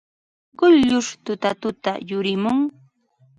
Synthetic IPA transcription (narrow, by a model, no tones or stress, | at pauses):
ɢʊʎʎʊʂt̪ʊt̪at̪ʊt̪a̰jʊɾɪmʊŋ